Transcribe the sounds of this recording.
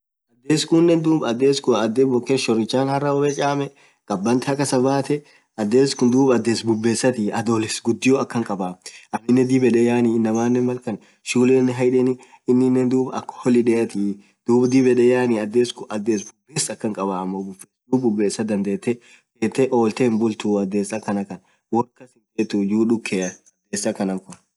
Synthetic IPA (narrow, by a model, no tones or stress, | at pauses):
ʔɐd̪ːeːskunːɛnd̪uːbɐd̪ːeːskʊɐd̪ːebɔkeʃɔɾɪt͡ʃːaːnhɐrːɐɔbɛt͡ʃʼaːmɛ | kʼɐbːɐnt̪ɪhɐkːɐsɐbaːt̪ɛ | ɐd̪ːeːskʊnd̪uːbɐd̪ːeːsbʊbːeːsːɐt̪iɐd̪oːlɪsɡʊd̪ːɪjɔɐkːɐŋkʼɐbaːmʔɐnːɪnːɛd̪ibɛᶑɛjaːniːɪnːɐmaːnːɛmɐlkɐn | ʃuːlenːɪɦɐjᶑɛnɪ | ɪnːɪnːɛnd̪uːbɐkːhɔlɪᶑɛɐt̪i | d̪̥uːbd̪ɪbɛᶑɛjaːniɐd̪ːeːskʊʔɐd̪ːeːsbʊbːeːsɐkːɐŋkʼɐbaːmːobʊbesd̪uːbbʊbːe̞ːsːɐd̪ɐnd̪eːt̪ːɛ | feːt̪ːɛʔo̞ːlt̪eːmbʊlt̪uːɐd̪ːe̞ːsɐkɐnɐkɐn | wɔkːɐsɪnfeːt̪ːujuːᶑʊkʰːeːɐɐd̪̥ːeːsːɐkɐnɐŋkʊn